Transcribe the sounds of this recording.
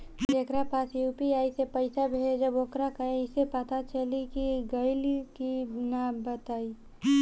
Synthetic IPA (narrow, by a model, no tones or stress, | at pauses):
d͡ʒ̪ekɾapaːsjuːpiaːisepəɪsabʱed͡ʒɐboːkɾakaeɪsepət̪at͡ʃəlikiɡəɪlkinabət̪aːi